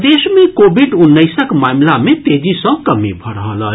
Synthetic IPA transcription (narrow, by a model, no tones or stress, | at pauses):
d̪esmekobʱiɖunːəɪsəkmamlamet̪ed͡ʒisə̃kəmibʱəɾəɦələ̰